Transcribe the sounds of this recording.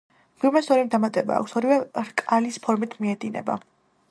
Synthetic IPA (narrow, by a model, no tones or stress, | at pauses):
b̥iɾmɛsɔɾid̪amat̪ʼɛba̰ːkʰʷsɔɾivɛɾkʼalispʰɔɾmit̪ʰmiɛd̪inɛ̰ba̰